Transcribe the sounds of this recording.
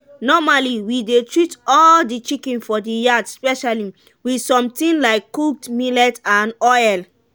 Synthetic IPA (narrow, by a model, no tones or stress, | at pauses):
nɔmaliwidetɹitɔldit͡ʃikĩnfɔdijadspɛʃali | wisɔ̃mtĩnlaɪkːuk̚tmilɛtãnɔɛl